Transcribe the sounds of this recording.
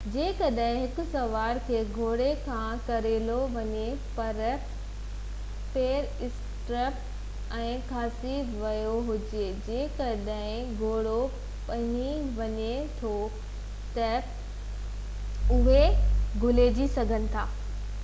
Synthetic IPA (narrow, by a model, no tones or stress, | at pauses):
d͡ʑeːkɐɗɦɪ̃ɦɪkʊ̆sɐʋaːɾkʰeːɡʱoːɽekʰãkɐɾeːloʋɐɲe | pɐɾ | peːɾ | ɪs | ʈɾəp | ɛ̃ːkʰaːsiʋɐjoɦʊd͡ʑed͡ʑeːkɐɗɦɪ̃ | ɡʱoːɽo | pɐ̃ɦiʋɐɲet̪ʰo | t̪ɐ | ʊɦeɡʱʊleːd͡ʑisɐɡʱənɪ̆t̪ʰaː